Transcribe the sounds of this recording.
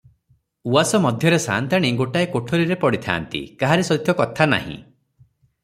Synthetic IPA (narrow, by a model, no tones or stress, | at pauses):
uasɔmɔd̪ʱjɔɾesa̰ːnt̪ʰaɽ̃iɡoʈaekoʈʰoɾiɾepɔɽit̪ʰa̰ːnt̪ḭkaɦaɾisɔt̪ʰjɔkɔt̪ʰana̰ɦḭ̃